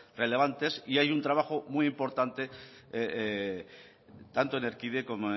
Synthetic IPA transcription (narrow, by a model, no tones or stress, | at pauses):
re̞le̞β̞ant̪e̞siajunt̪ɾaβ̞axomujimpo̞ɾt̪ant̪e | t̪ant̪oneɾkiðeko̞moe